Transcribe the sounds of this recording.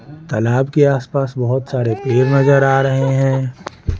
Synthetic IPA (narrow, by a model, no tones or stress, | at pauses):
t̪ɐlaːbkeaːspaːsbɐɦʊt̪saːɾepeːɾnɐzəɾaːɾɐɦeɦɛ̃ː